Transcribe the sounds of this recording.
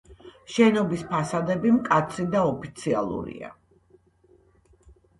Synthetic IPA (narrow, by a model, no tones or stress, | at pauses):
ʃɛnɔbispʰasad̪ɛbimkʼat̪sʰid̪aɔpʰit̪sʰia̰lˠṵɾḭa̰